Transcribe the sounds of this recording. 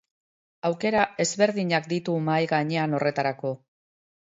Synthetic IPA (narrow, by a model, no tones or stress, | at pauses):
awke̞ɾae̞zβe̞ɾðiɲak̚d̪it̪umajɣaɲe̞ano̞re̞t̪aɾako̞